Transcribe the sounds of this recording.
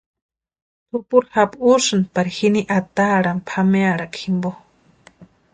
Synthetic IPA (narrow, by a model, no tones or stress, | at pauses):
t̪ʰupuɾhapuʂɨnpaɾihiniʔat̪aɾampʰameaɾakʰimbo